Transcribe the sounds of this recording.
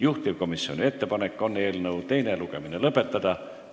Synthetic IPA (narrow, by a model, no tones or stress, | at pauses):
juht̪ivko̞misːio̞̰nʲie̞t̪ːe̞pɑnekːˑo̞nːe̞ːlnɤwt̪e̞jneluɡ̥e̞minelɤpːˑet̪ːˑɑd̪̥ɑ